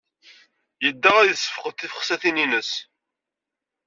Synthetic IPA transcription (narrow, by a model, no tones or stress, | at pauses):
jəd̪ːæʁæjəsːə̥fəqət̪ːifə̥χsæθininəs